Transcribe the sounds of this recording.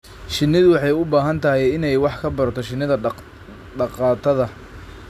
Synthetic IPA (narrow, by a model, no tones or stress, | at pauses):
ʃɪnːɪðʊwɑħɑjʊbaːɦɐnt̪ʰɐɦɛjɪnɛjwɑħkʰɐbɐɾɐt̪ʰɔʃɪnɪðɐ | ɖɑqɑːt̪ʰɐðɐ